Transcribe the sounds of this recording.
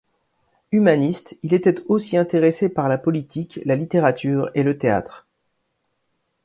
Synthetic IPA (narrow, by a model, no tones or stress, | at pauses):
ymanist̪ilet̪ɛt̪osiɛ̃t̪eʁesepaʁlapɔlit̪ʰiklalit̪eʁat̪yːʁelət̪ea̰t̪χ